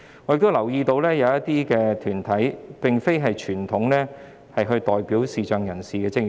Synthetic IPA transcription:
ŋɔː˨˧˥jɪ˨k̚t̪o˥wlɐ˨˩wjiː˧t̪o˧wlɛː˥jɐ˨˧wjɐ˥t̪iː˥kɛː˧t̪ʰyː˨˩nt̪ʰɐ˨˥jpɪ˨ŋfe˥jɦɐ˨jt͡ʃʰyː˨˩nt̪ʰʊ˨˥ŋlɛː˥ | hɐ˨jɦɵ˧ɥt̪ɔː˨jpiː˨˥wsiː˨t͡ʃœː˨ŋjɐ˨˩nsiː˨kɛː˧t͡sɪ˥k̚ŋ

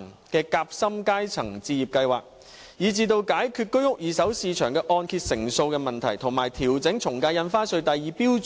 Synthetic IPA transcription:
ŋ | kɛː˧kaː˧p̚sɐ˥mkaː˥jt͡sʰɐ̰˨˩ŋt͡siː˧jiː˨p̚kɐ˧jwa̰ː˨k̚ | jiː˨˥t͡siː˧t̪o˧wkaː˨˥jkʰyː˧t̚kɵ˥ɥhʊ˥k̚jiː˨˧sɐ˨˥wsiː˧t͡ʃʰœː˨˩ŋkɛː˧ʔɔː˧nkʰiː˧t̚sɪ˨˩ŋso˧wkɛː˧mɐ˨nt̪ʰɐ˨˩jt̪ʰʊ˨˩ŋmaː˨˩jt̪ʰiː˨˩wt͡sɪ˨˥ŋt͡ʃʰʊ˨˩ŋkaː˧jɐ˧nfaː˥sɵ˧ɥt̪ɐ˨jjiː˨˧piː˥w

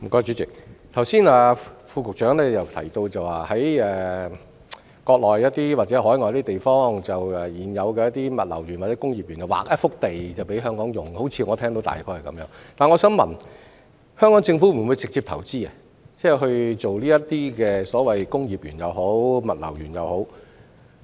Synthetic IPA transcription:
m̩˨˩kɔː˧t͡ʃyː˨˥t͡sɪ˨˩k̚t̪ʰɐ˨˩wsiː˥naː˧fuː˧kʊ˨k̚t͡ʃœː˨˥ŋlɛː˥jɐ˨˩wt̪ʰɐ̰˨˩jt̪o˧wt͡sɐ˨waː˨˩hɐ˨˥jɛː˨ | kɔː˧k̚lɔː˨˩jːɐ˥t̪iː˥waː˨k̚t͡sɛ˨˥ɦɔː˨˥jŋɔː˨jɐ˥t̪i˥t̪e˨jfɔː˥ŋt͡sɐ˨wɛː˨jiː˨˩njɐ˨˧wkɛ˧jɐ˥t̪̚iː˥mɐ˨t̚lɐ̰˨˩wjy˨˩nwaː˨˩t͡sɛ˨˦˥kʊ˥ŋjiː˨p̚jyː˨˩njɐ˨wa̰ː˨˩k̚ʔɐ˥fʊ˥k̚t̪e˨jt͡sɐ˨wpe˨˧˥jɦœː˥ŋkɔː˨˥ŋjʊ˨˩ŋho˨˥wt͡sʰiː˧ŋɔː˨˧t̪ʰɛː˥ŋt̪o˧˥wt̪a̰ː˨jkʰɔː˥ɐ˨kɐ̰˨˥mjœː˨˥ŋt̪aː˨nŋɔ˨˧˥sœː˨˥ŋmɐ̰˨˩n | hœː˥ŋkɔː˨˥ŋt͡sɪ˧ŋfu˨˥m̩˨˩wu˨˧jt͡sɪ˨k̚t͡siː˧p̚t̪ʰɐ˨˩wt͡siː˥ɐ˧ | t͡sɛː˥˩ɦɵ˧ɥt͡so˨wliː˥jɐ˥tt̪iː˥kɛː˧sɔː˨˥wɐ˨jkʊ˥ŋjiː˨p̚jyː˨˩njɐ˨˧wɦo˨˥wmɐ˨˩t̚lɐ̰˨˩wjyː˨˩njɐ˨who˨˥w

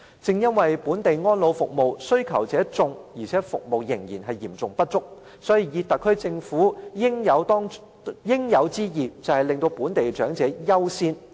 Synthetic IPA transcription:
t͡sɪ˨ŋjɐ˥nwɐ˨jpuː˨˥nt̪e˨jŋɔː˥nlo˨˧wfʊ̰˨k̚mo˨wsɵ˥ɥkʰɐ˨˩wt͡sɛː˨˥t͡sʊ˧ŋjiː˨˩t͡sʰɛː˨˥fʊ̰˨k̚mo˨wjɪ˨˩ŋjiː˨˩nɦɐ˨jiː˨˩mt͡sʊ˨˩ŋpɐ˥t̚t͡sʊ˥k̚ | sɔː˨˥jiː˨˧jiː˧t̪ɐ˨˩kʰːɵ˥ɥt͡sɪ˧ŋfuː˨˥jɪ˥ŋjɐ˨˧wt̪ɔː˥ŋ | jɪ˥ŋjɐ˨˧wt͡siː˥jiː˨˩t͡sɐ˨whɐ˨jlɪ˨ŋt̪o˧wpuː˨˥nt̪e˨jt͡ʃœː˨˥ŋt͡sɛː˨˥jɐ˥wsiː˥n

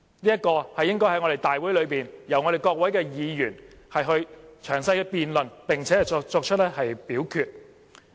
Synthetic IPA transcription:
niː˥jɐ˥t̚kɔː˧hɐ˨jːɪ˥ŋkɔː˥jhɐ˥jŋɔː˨˧ɾe˨jt̪aː˨jwuː˨˥jlɵ˨˧ɥpiː˨njɐ˨˩wɔ˨˧ɾe˨jkɔː˧k̚wɐ˨˥jkɛː˧jiː˨˧jyː˨˩nhɐ˨jɦɵ˧ɥt͡ʃʰœː˨˩ŋsɐ˧jkɛ˧piː˨nlɵ˨npɪ˨ŋt͡sʰɛː˨˥hɐ˨˩jt͡sɔː˧k̚t͡ʃʰɵ˥t̚lɛː˥hɐ˨jpiː˨˥wkʰyː˧t̚

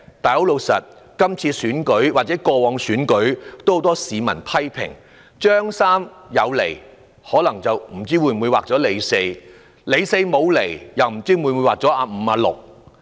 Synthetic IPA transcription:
t̪aː˨jho˨˥wlo˨˧wsɐ̰˨t̚ | kɐ˥mt͡sʰiː˧syː˨˥nkɵ˨˥ɥwaː˨t̚t͡sɛː˨˦˥kɔː˧wɔː˨˧ŋsyː˨˥nkɵ˨˥ɥt̪o˥who˨˥wt̪ɔː˥siː˨mɐ̰˨˩npʰɐ˥jpʰɪ̰˨˩ŋ | t͡ʃœː˥ŋsaː˥m | jɐ˨˧wlḛ˨˩j | hɔː˨˥lɐ˨˩ŋt͡sɐ˨wm̩˨˩t͡siː˥wuː˨˧muː˨˧jwaː˨k̚t͡sɔː˨˥le˨˧jse˧j | le˨˧jse˧jmo˨˧wle˨˩jjɐ˨wm̩˨˩t͡siː˥mu˨˧wuː˨˧jwaː˨k̚t͡sɔː˨˥ʔaː˨˧m̩˨˧aː˧lʊ̰˨k̚

